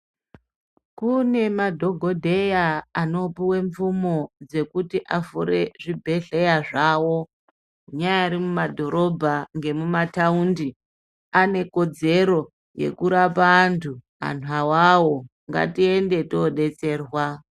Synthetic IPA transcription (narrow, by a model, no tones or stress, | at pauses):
kune̞madʱo̞ɡʱo̞dʱe̞jaano̞piwe̞ɱfumo̞d͡ze̞kutiʔafuɾeʐibʱe̞ɮe̞jaʐawo̞ | kuɲajaiɾimumadʱo̞ɾo̞bʱaŋɡe̞mumataundi | ane̞ko̞d͡ze̞ɾo̞ | je̞̰kuɾapantʰu | a̰n̤uawawo̞ | ŋɡa̰tie̞nde̞toɗe̞t͡se̞ːrwa